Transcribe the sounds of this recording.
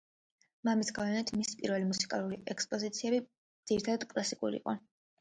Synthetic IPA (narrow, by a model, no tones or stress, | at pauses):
mamisɡavɛnɛt̪ʰmisi̥pʼiɾvɛlimusi̥kʼalˠuɾiʔɛkspʼɔzit̪sʰiɛbi | d̪z̥iɾit̪ʰad̪ad̪̥kʼlˠasikʼṵɾḭqʼɔ̰